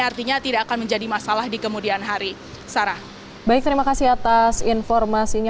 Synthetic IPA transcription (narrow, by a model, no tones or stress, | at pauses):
art̪iɲat̪idaʔːkanməɲd͡ʒadimasalahdikəmudianɦaɾi | saɾa | baɪk̚t̪əɾimakasihat̪asinfɔrmasiɲa